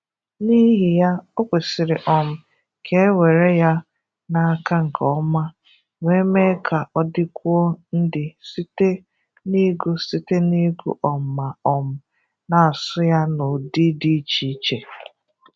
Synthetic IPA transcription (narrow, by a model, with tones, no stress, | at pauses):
ni˦ɦi˨ja˦o˦kʷe˨sɪ˨ɾɪ˨ʔɔ˨m̩˨ | kʰe˦e˦we˨ɾe˦ja˦ | na˨a˨ka˦ŋ̩˨kʰɔ˦ma˦ | ŋe˦me˦kʰa˨ɔ˦dɪ˦kʷu˦o˦n̩˦dɪ˨si˦te˦ | ni˦ɡu˦si˦te˦ni˦ɡṵ˦ʔɔ˨m̩˨ma˨ɔ˨m̩˦˨ | na˨a˨sʊ˦ja˦no˨di˦di˦t͡ʃi˨˦t͡ʃe˨